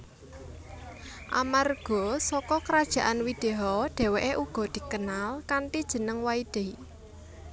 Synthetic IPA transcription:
ʔa̰marɡ̥ɔ̤sɔkɔkəɾad̥ʒ̥a̤ʔanwid̪̥eɦɔɖ̥e̤weʔeʔuɡ̥ɔ̤d̪̥i̤kənalkanʈ̪id̥ʒ̥ə̤nəŋwaid̪̥e̤i

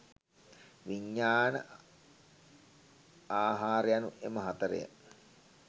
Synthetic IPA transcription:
ʋiɲːaːnə | aːɦaːɾejanuʔeməɦat̪əɾḛjə̰

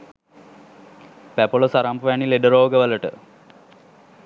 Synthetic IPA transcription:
pæpolosaɾampəʋanileɖəɾoːɡəʋələʈə̰

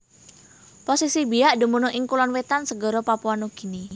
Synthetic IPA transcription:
posisibiaʔdṳmunʊʔiŋkulɔnwet̪ansəɡɔ̤ɾopapuanuɡ̥i̤ni

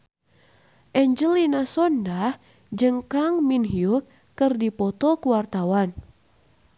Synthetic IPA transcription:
ʔɛɲd͡ʒəlinasɔndah | d͡ʒəŋkaŋminɦiukː | ɨrdipɔt̪ɔkuwart̪awan

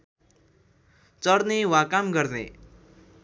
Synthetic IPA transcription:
t͡sʌɾnewãkamɡʌɾnḛ

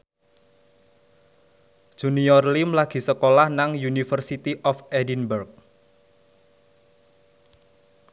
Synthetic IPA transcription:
ʒ̥uniɔrlimlaɡ̥i̤səkolahnaŋjunifərsit̪iʔɔfɛdinbɛrk̚

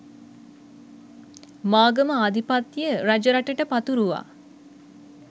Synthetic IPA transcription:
maːɡəməad̪ipat̪ːjəɾad͡ʒəɾaʈəʈəpat̪uɾuʋa̰

